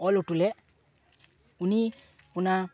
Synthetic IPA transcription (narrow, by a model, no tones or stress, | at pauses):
olutule | uni | una